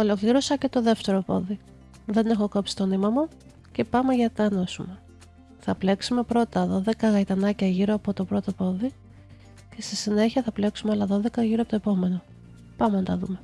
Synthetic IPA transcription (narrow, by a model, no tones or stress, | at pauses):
o̞lo̞kliɾo̞sɐce̞t̪o̞ðe̞ft̪e̞ɾo̞po̞̰ði | ðe̞ne̞xo̞kopsi̥t̪o̞nimɐmu | ce̞pɐmeʝɐt̪ɐno̞sume | θɐple̞ksume̞pɾo̞t̪ɐðo̞ðe̞kɐɣɐit̪ɐnɐcɐʝiɾo̞ɐpo̞t̪o̞pɾo̞t̪opo̞ði | ce̞st̪isine̞çiɐθɐple̞ksumeolɐðo̞ðe̞kɐʝiɾoɐpot̪oepo̞me̞no̞ | pɐment̪ɐðume̞